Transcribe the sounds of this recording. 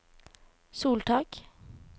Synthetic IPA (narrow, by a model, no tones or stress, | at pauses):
suːlʈ̪ʰɑːk